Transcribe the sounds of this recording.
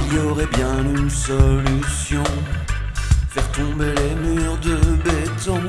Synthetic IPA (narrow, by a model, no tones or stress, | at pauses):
ljɔʁɛbjɛ̃ynsɔlysjɔ̃ | fɛʁt̪ɔ̃belemyʁd̪əbɛt̪ɔ̃